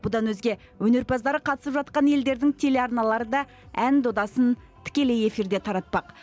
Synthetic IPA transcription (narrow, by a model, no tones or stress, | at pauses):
bʊd̪ɑnwɵzɡʲe̞ | wɵne̞ɾpʰɑzd̪ɑɾəqʰɑt̪əsəpʒɑt̪̚qɑnje̞ld̪e̞ɾd̪ɪŋt̪ʰe̞le̞ɑɾnɑlˠɑɾəd̪ɑ | ænd̪o̞d̪ɑsən | t̪ʰɪ̥kʲe̞le̞je̞fiɾd̪e̞t̪ʰɑɾɑt̪̚pɑq